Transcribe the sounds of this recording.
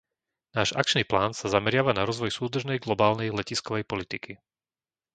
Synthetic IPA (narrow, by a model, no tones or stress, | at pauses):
naːʒa̰k̚t͡ʃniːplaːnsazamɛɾɪaʋanaɾɔzʋɔjsuːd̪r̩ʒnɛjɡlɔbaːlnɛjlɛciskɔʋɛjpɔlit̪iki